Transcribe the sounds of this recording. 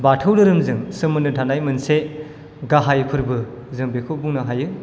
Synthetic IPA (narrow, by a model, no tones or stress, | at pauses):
batʰɯwdɯɾɯmzɯŋsɯmɯnɯdʰʱanajmɯnse | ɡaɦajpʰɯɾbɯ | zɯŋbekʰɯwbuŋnɯɦajɯ